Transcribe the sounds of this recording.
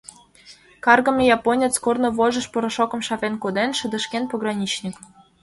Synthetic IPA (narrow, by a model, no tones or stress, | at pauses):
kɑrɣɤ̆mʲejɑponʲet͡skornŏβoʒə̆ʃpoɾŏʃokɤ̆mʃɑvenkod̪enʃə̆d̪ə̆ʃkenpoɣrɑnʲit͡ɕnʲik